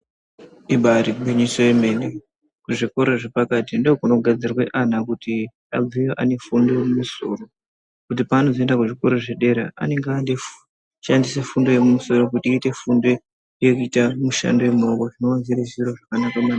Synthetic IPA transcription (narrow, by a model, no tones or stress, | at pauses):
iɓaɾikubʱeɲisoeme̞ne | kuʐiko̞ɾoʐepakatindokunoɡʱad͡zirweʔan̤akuti | elijoʔane̞fundo̞emumuso̞̰ro̞ | kut̬ipaːno̞zendakuʐiko̞ɾo̞ʐe̞ɗe̞ɾḛa̰ne̞ŋɡande | ʃandise̞fundo̞jemumuso̞ɾo̞kutiiːte̞fundo̞ | jekuitamuʃa̰ndoemokoʐinoanziɾeʒiroʐakanakamana